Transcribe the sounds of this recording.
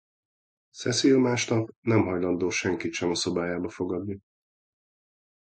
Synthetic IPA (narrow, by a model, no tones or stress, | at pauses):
sɛsilmaːʃnɒpnɛmɦɒjlɒnd̪oːʃɛŋkit̪ʃɛnɒso̞baːjaːbɒfo̞ɡɒd̪ni